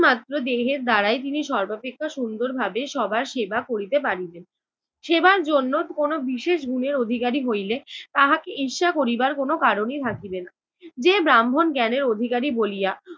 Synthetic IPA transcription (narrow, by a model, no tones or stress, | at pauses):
mat̪ːɾod̪eɦeɾd̪aɾaet̪̬iniʃɔɾbapekʰːaʃund̪oɾbʱabeʃɔbʱaɾʃebakoɾit̪epaɾilen | ʃebaɾd͡ʑonːokonobiʃeʃɡʱuneɾod̪ʱikaɾiɦojlet̪aɦakeʔiʃakoɾibaɾkonokaɾonit̪ʰakibena | d͡ʑebɾambʱonkɛneɾod̪ʱikaɾibolija